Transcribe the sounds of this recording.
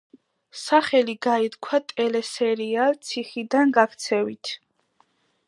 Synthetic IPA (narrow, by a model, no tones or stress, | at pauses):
saχɛliɡait̪kʰwat̪ʼɛlɛsɛɾialt̪sʰiχid̪anɡakʰt̪sʰɛvit̪ʰ